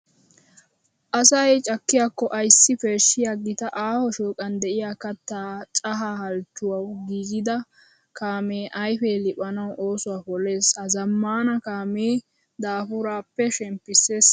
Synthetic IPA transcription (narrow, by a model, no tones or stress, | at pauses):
ʔɐsɐjt͡ʃʼɐkːɪjaːkːɔʔɐjsːɪfeːʃːɪjaːɡɪt̪ɐʔaːhɔʃoːkʼɐnd̪ɛʔɪjaːkɐt̪ːaːt͡ʃʼɐɦahɐlt͡ʃːʊwɐwɡiːɡɪd̪ɐ | kaːmeːʔɐjfeːlɪpʼɐnɐwʔo̞ːsʊwaːpɔle̞ːshɐzɐmːaːnɐkaːmeː | d̪aːfʊɾaːpːɛʃɛmpːɪseːs